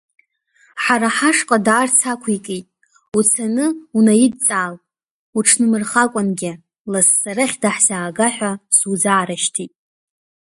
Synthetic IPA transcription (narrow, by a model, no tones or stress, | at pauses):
ħaɾaħaʂqʼadaːrt͡sʰakʷʰikʼitʼ | ut͡sʰanɨunajɪd̚t͡sʼaːl | uʈ͡ʂʰnɨmɨrχakʷʼanɡʲɪ | lasːaɾaχʲdaħz̥aːɡaħʷᶣasud͡zaːɾaʃtʰitʼ